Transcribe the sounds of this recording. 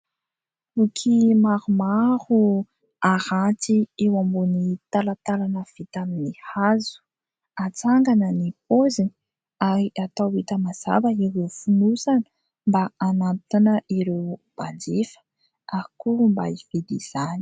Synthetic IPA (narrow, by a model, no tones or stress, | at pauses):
ukʰimaɾumaɾu | aɾatiewambonit̪alat̪alanəv̥it̪aminihazu̥ | at͡saŋɡanənipozini | aɾiʔat̪awit̪əmaz̥a̰bəiɾewfunusanə̥ | mbaanat̪inəiɾewb̥and͡ʒefə̥ | akumba̰ived̪iz̥ani̥